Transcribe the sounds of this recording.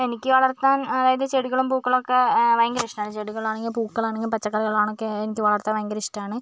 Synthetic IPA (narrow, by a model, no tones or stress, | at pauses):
enikʲːɨʋɐɭɐrt̪ːaːnɐðaːjɐðɨt͡ɕeɽuɣɐɭumpuːkːɐɭokːeʋɐjɐŋɡɐɾiʂʈaːɳɨt͡ɕeɽuɣɐɭaːɳe̞ŋɡilpuːkːɐɭaːɳeŋɡilpɐt͡ɕːɐkːaliɣɐɭaːɳokːeːnikʲːɨʋɐɭɐrt̪ːaːnʋɐjŋɡɐɾiʂʈaːɳɨ